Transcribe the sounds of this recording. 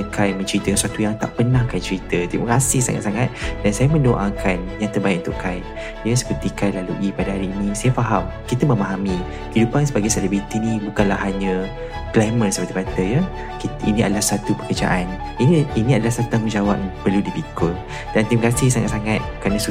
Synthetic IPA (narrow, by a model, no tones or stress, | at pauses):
əkajmə̃nt͡ʃəɾit̪əksuwat̪ujaŋt̪aʔpənahkajt͡ʃəɾit̪ət̪imə̰kasɪhsa̰ŋa̰t̪̚saŋat̪̚dansajamə̃ndoʔakʰanjaŋt̪ərbaɪt̚ʔ̚unt̪ʊ̰ʔkaj | daasə̥pərt̪ikajlaluʔipadaɦaɾiːnĩsajafaɦamkit̪əmə̃maɦami | həidupansəbaɡajsalibɾit̪inĩbukanlahɦaɲə | plajmənsəpərt̪ibat̪əjə | kit̪inĩadəlahsat̪upəkərd͡ʒa̰ʔan | ininĩadəlasat̪ut̪aŋmud͡ʒawap̚pərludipikəl | d̥ant̪iməkasɪhsaŋa̰t̪̚saŋat̪̚kɾanəsu